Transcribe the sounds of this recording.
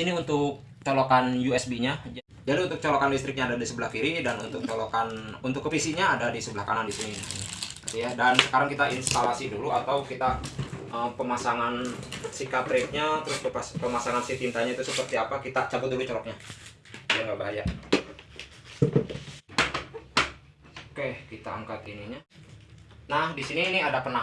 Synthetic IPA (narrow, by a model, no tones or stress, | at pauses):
iniunt̪ʊk̚ | t͡ʃolokanjuɛsbiɲa | d͡ʒadiunt̪ʊk̚t͡ʃɔlokanlist̪ɾɪk̚ɲaːdadisəbəlahkiɾidanunt̪ʊk̚t͡ʃolokanunt̪ʊkːəfisiɲaːdadisəbəlahkanandisininipət̪ujadansə̥kaɾaŋkit̪ainst̪alasiduluat̪awkit̪aʔəmpəmasaŋansikat̪ɾɪk̚ɲat̪əɾʊspəapəmasaŋansit̪int̪aɲait̪usəpərt̪iapakit̪at͡ʃabʊt̪̚dulut͡ʃɔɾɔk̚ɲa | jiaŋɡabaɦajaʔ | kehkit̪aaŋkat̪iniɲa | nahdisiniːniadapəna